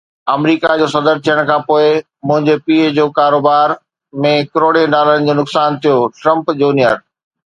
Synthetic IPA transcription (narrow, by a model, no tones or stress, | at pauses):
ɐmɾiːkad͡ʑoːsɐd̪əɾt̪ʰijəɽ̃kʰãːpoːɪ | mʊ̃ɦɪ̃ɲd͡ʑepiːd͡ʑoːkaːɾoːbaːɾ | mẽkɪɾoːɽeɖaːləɽ̃ɪ̆d͡ʑoːnʊksaːnt̪ʰijoʈɾɐ̃mpd͡ʑuːnijəɾ